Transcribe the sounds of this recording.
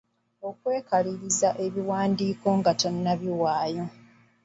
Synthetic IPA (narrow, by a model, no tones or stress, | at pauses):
o̞kwe̞ːkaliɾizaʔe̞βiwaːndiːko̞ŋɡato̞nːaβiwaːjo̞